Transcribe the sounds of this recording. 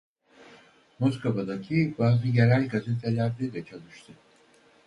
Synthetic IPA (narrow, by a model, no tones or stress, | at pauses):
moskʰovad̪acʰibaːzɯjeɾælʲɡazet̪ʰelʲæɾd̪id̪ɛt͡ʃʰalˠɯʃt̪ʰɯ